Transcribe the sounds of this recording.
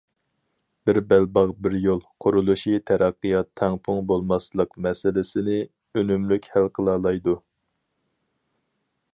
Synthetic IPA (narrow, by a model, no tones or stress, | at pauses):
b̥ɪɾbælbɑʁbɪɾjolˠqʰʊɾulˠuʃit̪ʰæɾɑqːɨjɑt̪ʰːɛŋpʰʊŋbolˠmɑslˠəqmɛsɪlɪsɪnɪ | ønymlykʲhælqʰəlˠɑːlˠɑjd̪u